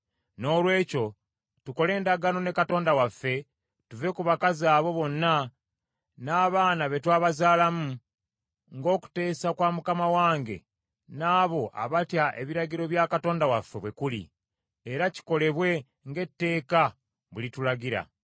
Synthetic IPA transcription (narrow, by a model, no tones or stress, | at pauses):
no̞ːlwe̞ːco̞ | tuko̞le̞ːndaɡano̞ne̞kato̞ːndawafːe̞ | tuve̞kuβakazaːβo̞βo̞nːa | naːβaːnaβe̞twaːβazaːlamu | ŋɡo̞ːku̥te̞ːsakwaːmukamawaːŋɡe̞̰ | naːβo̞ʔa̰βatjaʔe̞̰βiɾaɟiɾo̞βjakato̞ːndawafːe̞βwe̞kulḭ | eɾaci̥ko̞le̞βwe̞ | ŋɡe̞tːe̞ːka | βulitulaɡiɾa̰